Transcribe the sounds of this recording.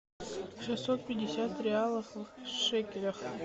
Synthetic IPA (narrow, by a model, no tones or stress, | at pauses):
ʂɨsot̪̚pʲɪdʲɪsʲat̪ɾʲɪalˠəfʂɛkʲɪɾʲɐx